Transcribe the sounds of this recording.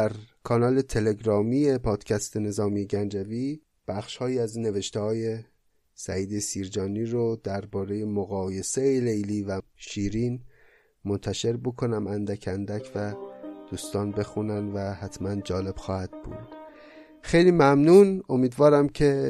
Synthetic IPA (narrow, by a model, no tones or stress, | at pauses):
d̪æɾkʰɒːnɒːle̞t̪ʰe̞le̞ɡɾɒːmije̞pʰɒːd̪̥cʰæst̪ene̞zɒːmijeɟænd͡ʒæviː | b̥æxʃhɒːjiːæzinːe̞ve̞ʃt̪ehɒːje̞ | sæiːd̪e̞siːɾd͡ʒɒːniːɾod̪̥æɾbɒːɾe̞je̞moɣɒːje̞seelejliːvæʃiːɾiːn | mont̪ʰæʃe̞ɾbokʰo̞næmænd̪æcʰænd̪æcʰvæd̪̥uːst̪ɒːnbe̞xunænvæhæt̪ʰmænd͡ʒɒːle̞b̥xɒːhæd̪̥̚b̥ṵːd̪̥ | xe̞jliːmæmnuno̞miːd̪vɒːɾæmcʰe̞